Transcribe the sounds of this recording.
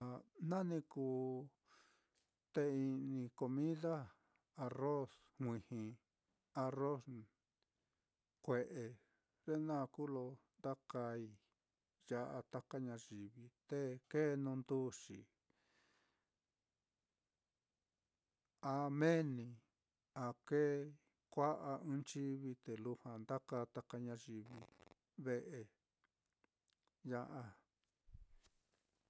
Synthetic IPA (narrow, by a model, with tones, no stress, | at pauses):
a˨nã˦nĩ˧kuː˧ | t̪e˧i˧nĩ˧ko˧mĩ˦ða˦ | a˧ro˦s | hʷĩ˧hĩ˧ | a˧ro˦s | kʷe˧ʔe˧ | ɾe˦nã˦˧ku˦lo˧nd̪a˦ka˧i˧˨ | ja˧ʔa˧t̪a˦ka˦ɲã˧ʒi˨βi˧t̪e˦ke˦˧nũ˧nd̪u˦ʂḭ˨ | a˧mẽ˦nĩ˧˨ | a˨ke˦ | kʷa˦ʔa˧ɨ̃˦nt͡ʃi˦βi˧t̪e˨lu˧hã˨nd̪a˦ka˧t̪a˦ka˧ɲã˧ʒi˧βḭ˧ | βe˧ʔe˧ | ja˧ʔa˧